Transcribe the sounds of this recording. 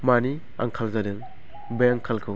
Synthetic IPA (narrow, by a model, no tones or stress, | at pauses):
mani | a̰ŋkʰalzadɯŋ | bejaŋkʰalkʰɯw